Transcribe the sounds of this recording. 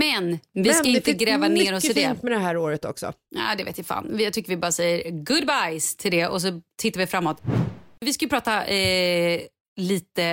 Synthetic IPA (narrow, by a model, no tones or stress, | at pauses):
mɛnvɪskaɪnt̪əɡɾɛːvanːɾɔsɪd̪ɛmɛd̪ɛɦæːɾoːɾət̪ɔ̰ksɔ̰ɑ̰ːd̪ɛvḛːt̪jafa̰ːnjat̪ʏkːəɾvɪbɑːɾasɛjːəɾɡʊd̪̚bajst̪ʰɪld̪ɛʔɔs̬ɔt̪ʰɪt̪ːaɾvɪfɾamːɔt̪vɪskajɵpʰɾɑːt̪a | liːt̪ə